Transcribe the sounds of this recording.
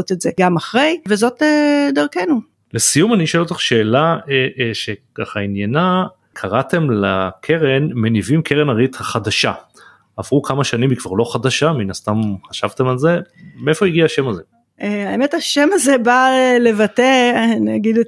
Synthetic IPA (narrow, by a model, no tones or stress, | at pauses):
ot̪etzeɡamaχʁe̞jvezo̞tedaʁkenu | lesijumaniʃoelot̪aχʃe̞ːlaeʔʃekaχainjana | kʰaʁate̞mlakʰe̞ʁenmenivimkʰeʁenaʁithaχadaʃa | avʁukʰamaʃanimikv̥aʁlo̞χadaʃaminast̪amχaʃavt̪e̞malze̞ | mee̞fo̞iɡiaaʃemaze̞ | eaemetaʃemazebaele̞vateniaɡide